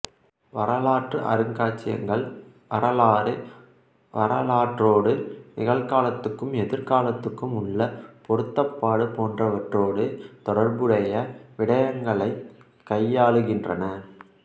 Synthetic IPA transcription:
ʋɐɾɐlaːʈrɯʔɐ̰ɾɯŋɡaːt͡ʃːɪjɐ̰ŋɡɐɭ | ʋɐɾɐlaːɾ | ʋɐɾɐlaːʈroːɽɯnɪɣɐɭkaːlɐt̪ːɯkːɯmɛðɪɾkaːlɐt̪ːɯkːɯmʊɭːɐpɔɾɯt̪ːɐpːaːɽɯpoːndrɐʋɐʈroːɽɯt̪ɔɽɐɾbɯɽɐjɐʋɪɽɐjɐŋɡɐɭɐɪ | kɐjːaːɭɯɣɪndrɐnɐ

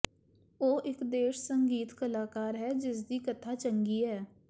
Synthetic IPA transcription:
oːʔɪkd̪eːʃsəŋɡiːt̪kəlaːkaːɾɦɛːd͡ʒɪs̬d̪iːkət̪ʰaːt͡ʃəŋɡiːɦɛː

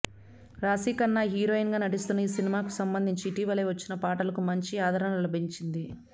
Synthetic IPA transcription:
ɾaːsiːkɐnːaːɦiːɾoːinɡaːnɐʈ̬ist̪unːɐiːsinimaːkusɐmbɐnd̪ʱiɲt͡ʃiːʈiːʋɐleːʋɐt͡ʃːinɐpaːʈɐlɐkumɐɲt͡ʃiaːd̪ʱɐɾɐnɐɐlɐbʱiɲt͡ʃind̪i

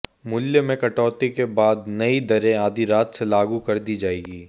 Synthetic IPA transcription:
mʊljəmẽkɐʈɔːt̪ikebaːd̪nɐid̪ɐɾẽaːd̪ʱiɾaːt̪selaːɡukɐɾd̪id͡ʒaːeːɡiː

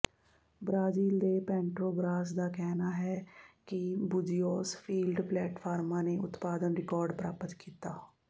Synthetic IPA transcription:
bɾaːziːld̪eːpɛ̃ːɳʈɾoːɡɾaːs̬d̪aːkɛːnaːɦɛːkɪbʊd͡ʒijoːspʰiːlɖplɛːʈpʰaːɾmãːneːʊt̪paːd̪ənɾɪkɔːɾɖpɾaːpət̪kiːt̪aː

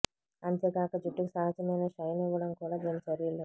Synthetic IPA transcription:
ɐnt̪eːɡaːkɐd͡ʒuʈːikusaːɦɐt͡ʃɐmɐjnɐʃɐjniʋɐɽɐmkuːɽaːd̪eːmt͡ʃɐɾilːu

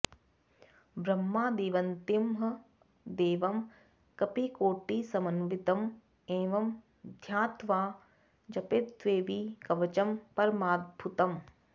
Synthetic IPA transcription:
bɾɐmːaːd̪eːʋɐnt̪imɦɐ | d̪eːʋɐm | kɐpikoːʈiːsɐmɐnʋit̪ɐm | eːʋɐm | d̪ʱjaːt̪ʋaː | d͡ʒɐpet̪ʋeːʋikɐʋɐt͡ʃɐmpɐɾmaːt̪̚bʱut̪ɐm

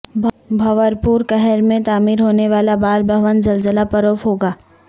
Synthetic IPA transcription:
bʱɐʋəɾpuːɾkɛɦɛɾmẽt̪aːmiːɾɦoːneʋaːlabaːlbʱɐʋənzɐlzəlapɐɾoːfɦoːɡaː

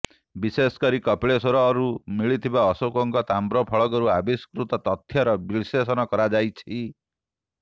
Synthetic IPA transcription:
bisesɔ̥kɔɾikɔpiɭesoɾɔːɾumiɭit̪ʰibaɔsokɔŋkɔt̪ambɾɔpʰɔɭɔkɔɾuabiskɾut̪ɔt̪ɔt̪ʰːjɔɾɔbiɭsesɔnɔkɔɾad͡ʒajt͡ʃʰi

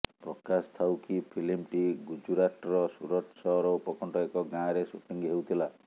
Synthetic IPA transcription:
pɾɔkast̪ʰawkipʰilimʈiɡud͡ʒuɾaʈɔɾɔsuɾɔʈsɔɾɔupɔkɔɳʈɔekɔɡãɾesupʰiŋɡiɦewt̪ʰila

